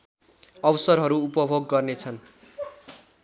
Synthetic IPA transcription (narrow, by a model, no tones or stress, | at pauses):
ʌwʌsʌrɦʌɾuupʌbʱoɡːʌrnet͡sʰʌn